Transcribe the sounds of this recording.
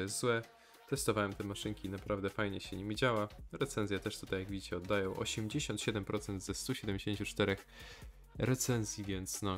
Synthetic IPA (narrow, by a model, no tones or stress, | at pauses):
jɛszwɛ | t̪ɛst̪ɔvawɛmt̪ɛmaʂɘŋkʲinapɾavd̪ɛfajɲɛɕɛɲimʲid͡ʑawaɾɛt̪sɛnzʲjat̪ɛʂt̪ut̪ajaɡvʲid͡ʑit͡ɕɛɔd̪ːajɔ̃w̃ʔɔ̰ɕɛmd͡ʑeɕɔnt̪ɕɛd̪ɛmpɾɔt̪sɛnd̪zɛst̪uɕɛd̪ɛmd͡ʑeɕeɲt͡ɕut͡ʂt̪ɛɾɛx | ɾɛt̪sɛnzʲjivʲɛnt̪snɔ